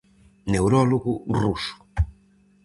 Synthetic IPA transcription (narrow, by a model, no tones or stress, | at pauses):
newɾɔluɣurusu̥